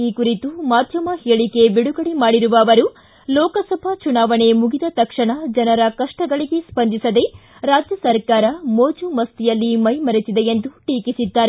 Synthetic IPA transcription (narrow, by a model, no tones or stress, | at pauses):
iːkuɾit̪umaːd̪ʱjɐmɐheːɭike̞biɽuɡɐɽimaːɽiɾuʋɐːʋɐɾu | lɔːkɐsɐbʱɐt͡ʃunaːʋɐɳe̞muɡid̪ɐt̪ɐkʂɐɳɐd͡ʒɐnɐɾɐkɐʂʈɐɡɐɭiɡe̞spɐnd̪isɐd̪e̞ | ɾaːd͡ʒjɐsɐɾkaːɾɐmoːd͡ʒumɐst̪ijɐlːimɐjmɐɾisid̪eend̪uʈiːkisid̪ːaːɾe